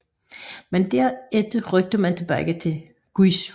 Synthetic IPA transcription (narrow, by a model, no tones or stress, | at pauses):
mend̥æɐ̰ed̥əʁœɡ̥̚d̥əmænt͡sʰe̝b̥æɡ̥ət͡sʰe̝ | ɡ̥is